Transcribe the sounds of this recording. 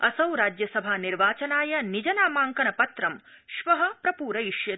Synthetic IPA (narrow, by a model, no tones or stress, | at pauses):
ɐsɐwɾaːd͡ʒjɐsɐbʱaːniɾʋaːt͡ʃɐnaːjɐnid͡ʒɐnaːmaːŋkɐnɐpɐt̪ɾɐm | ʃʋɐɦɐpɾɐpuːɾɐjiʃjɐ